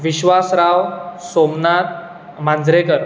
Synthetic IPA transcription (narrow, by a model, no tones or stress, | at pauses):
ʋiɕʋasɾaʋsomnat̪̚ | mãnd͡zɾekəɾ